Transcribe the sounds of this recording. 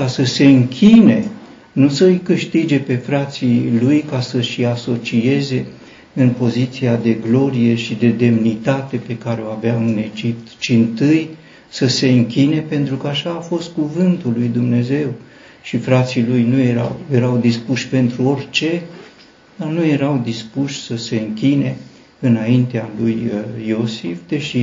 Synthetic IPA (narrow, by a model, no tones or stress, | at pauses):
kasəse̞ɨŋkʲine̞ | nusəɨjkɨʃt̪id͡ʒe̞pe̞fɾat̪silujkasəʃiaso̞t͡ʃie̞ze̞ | ɨnpo̞zit̪siad̪e̞ɡlo̞ɾije̞ʃid̪e̞d̪e̞mnit̪at̪e̞pe̞kaɾe̞o̞aveamɨne̞d͡ʒip̚t̪t͡ʃint̪ɨj | səse̞ɨŋkʲine̞pe̞nt̪ɾukəaʃaːfo̞st̪̚kuvɨnt̪ulːujd̪umne̞ze̞w | ʃifɾat̪silujnujeɾawje̞ɾawd̪ispuʃpe̞nt̪ɾuo̞rʲt͡ʃe̞ | d̪anuje̞ɾawd̪ispuʃʲsəse̞ɨŋkʲine̞ | ɨnaint̪ealujːo̞sifd̪e̞ʃi